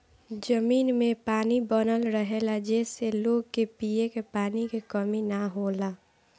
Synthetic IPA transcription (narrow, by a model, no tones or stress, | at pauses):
d͡ʒəmiːnmẽpaːnibənəlɾəɦelad͡ʒɛːseloːɡkepiekepaːnikekəminaɦoːlaː